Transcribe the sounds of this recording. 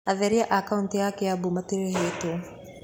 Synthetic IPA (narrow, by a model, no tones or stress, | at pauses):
aðɛɾiaʔakauntjakeabumatiɾeɦeto